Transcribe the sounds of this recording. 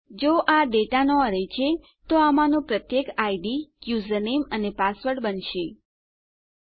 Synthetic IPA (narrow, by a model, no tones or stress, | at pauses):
d͡ʒoʔaɖeʈanoəɾet͡ʃʰe | t̪oamãnũpɾət̪jekaiɖikjuzənemənepasʋəʈbənʃe